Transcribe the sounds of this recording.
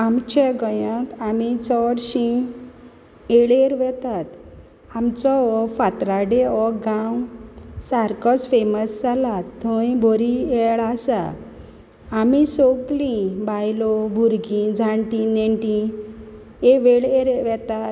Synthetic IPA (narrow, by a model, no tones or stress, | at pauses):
amt͡ɕeɡəjãt̪amit͡sɔɽɕĩ | eɽeɾʋɛt̪at̪ | amt͡sɔɔfat̪ɾaɖeɔɡãwsaɾkɔt͡sfeməsd͡zalat̪ʰːɔ̃jibʱoɾiɛɭasa̰ | misoɡlĩbajlɔbʱuɾɡĩd͡zʱãɳʈĩneɳʈĩ | eʋeɭeɾʋɛt̪at̪